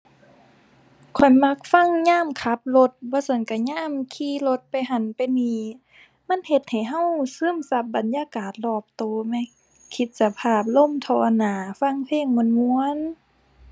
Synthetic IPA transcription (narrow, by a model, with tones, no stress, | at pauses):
kʰɔ˨˩jma˧˥k̚fa˧˥˨ŋɲaː˧˥˨mkʰa˧˦p̚lo˧˦t̪̚bɔː˧˦so˧˩nka˧˩ɲaː˧˥˨mkʰiː˧˨lo˧˦t̪̚pa˨jɦa˧˩npa˨jniː˧˩ | ma˧˥˨nhe˧˦t̪̚ha˨˩jɦa˧˥˨wsɯː˧˥˨msa˧˦p̚ba˨njaː˧˨kaː˨˩t̪̚lɔː˧˩p̚t̪oː˨˩mɛ˧˥˨ | kʰi˧t̪̚sa˧pʰaː˧˩p̬̚lo˧˥˨mt̪ʰɔː˧naː˨˦fa˧˥˨ŋpʰeː˧˥˩ŋmu˧˩˨nmu˧ən